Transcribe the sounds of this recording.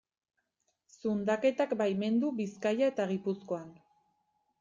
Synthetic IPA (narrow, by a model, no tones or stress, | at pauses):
sund̪ake̞t̪akbajme̞nd̪uβiskajae̞t̪aɣipusko̞an